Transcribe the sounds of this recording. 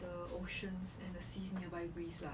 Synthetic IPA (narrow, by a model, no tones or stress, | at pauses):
dəoʃə̃nsɛ̃ndəsisniəbaɪɡɹisla